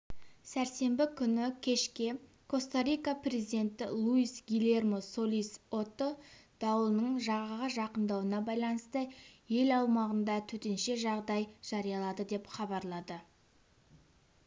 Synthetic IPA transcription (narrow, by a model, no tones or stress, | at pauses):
sæɾse̞mbɪkʲʰʏnɪkʲʰe̞ʃkʲe̞ | kʰo̞st̪aɾʲijkaprʲe̞zid̪e̞nt̪ɪlˠuisɡʲilʲe̞rmosoliso̞t̪ːod̪̥ɑwlˠənəɴʒɑʁəʁəʒɑqənd̪ɑwənɑbɑjlˠɑnəst̪əje̞lɑw̪ˠmɑʁənd̪ɑt̪ʰɵt̪e̞nʃe̞ʒɑʁd̪ɑjʒ̥ɑɾijɑlˠɑd̪əd̪e̞pχɑbɑɾlˠɑd̪ə